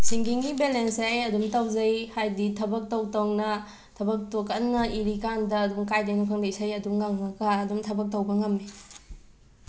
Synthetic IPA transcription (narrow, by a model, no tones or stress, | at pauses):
siŋɡiŋɡibelensajɐdumtɐwzɐjhajditʰɐbɐk̚tɐwtownɐ | tʰɐbɐk̚tukɐnŋɐiɾikandɐːdumkajdejnukʰɐŋdɐisajɐduŋŋaŋnɐɡaɐdumtʰɐbɐk̚tɐwbɐŋɐmːi